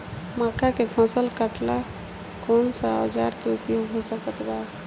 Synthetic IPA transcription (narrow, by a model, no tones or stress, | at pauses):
makakepʰəsəlkəʈla | konsaə̰d͡ʒaɾkeupjoɡɦosəkət̪ba